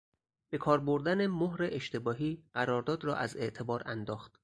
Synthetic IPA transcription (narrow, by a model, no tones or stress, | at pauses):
b̥e̞kʰɒːɾboɾd̪ænemoɦɾeʔeʃt̪e̞bɒːɦiːɢ̥æɾɒːɾd̪ɒːd̪ɾɒ̰ːʔæ̰ze̞̰ʔt̪ʰe̞bɒːɾænd̪ɒːxt̪